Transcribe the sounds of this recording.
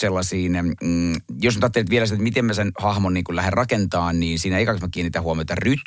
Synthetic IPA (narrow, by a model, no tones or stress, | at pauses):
selːɑsiːn | josnyt̪ɑt̪ːelet̪ʋielæsit̪æt̪mit̪emmːæsenhɑhmonniːŋkulæherrɑkent̪ɑːnniːnsiːnæeikɑksmækːienːiːt̪æhuomiot̪ɑryt̪